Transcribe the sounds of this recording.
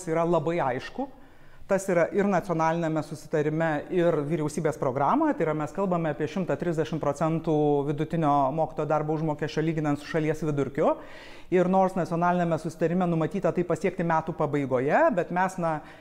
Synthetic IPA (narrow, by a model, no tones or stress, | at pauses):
siːɾɐlˠɐbɐɪɐɪʃkʊ | t̪ɐsiːɾɐʔɪɾnɐt̪t͡s̪ʲioːnɑːlʲɪnʲɛmʲɛsʊsʲɪ̥t̪ɐɾʲɪmʲɛɪrʋʲiːɾʲɛʊsʲiːbʲeːspɾoːɡɾɑːmojt̪ɐɪɾɐmʲɛskɐlˠbɐmʲɛɐːpʲiɛʃʲɪmt̪ɐt̪ʲɾʲɪzʲd̪ʲæʃʲɪmpɾoːt͡sʲɛnt̪uːʋʲɪd̪ʊt̪ʲɪnʲoːmoːkʲi̥t̪oːjoːd̪ɐrboːʊʒmoːkʲeɛʃʲt͡ʃʲoːlʲiːɡʲɪnɐnt̪sʊ̥ʃɐlʲiɛsʋʲɪd̪ʊɾʲkʲʊ | ɪɾnoːrsnɐtt͡sʲoːnɑːlʲɪnʲɛmʲɛsʊsʲɪ̥t̪ɐɾʲɪmʲɛnʊmɐt̪ʲiːt̪ɐt̪ɐɪpɐsʲiɛk̚t̪ʲɪmʲæːt̪uːpɐbɐɪɡoːjɛbʲɛt̪mʲæsnɐ